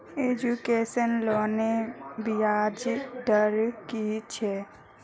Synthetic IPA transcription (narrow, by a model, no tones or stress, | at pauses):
eːd͡ʒukeːʃənloːnebijaːd͡ʒd̪əɾkit͡ʃʰe